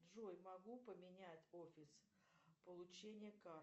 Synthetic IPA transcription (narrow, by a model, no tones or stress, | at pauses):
d̪ʐojmɐɡupəmʲɪnʲætʲofʲɪs | pəlˠʊt͡ɕenʲɪjəka